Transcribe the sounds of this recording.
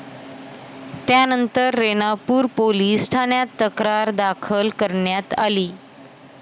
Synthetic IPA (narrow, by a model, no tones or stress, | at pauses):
t̪janənt̪əɾːenapuːɾpoliːsʈʰaɳjat̪ːəkɾaɾd̪akʰəlkəɾɳjat̪a̰liː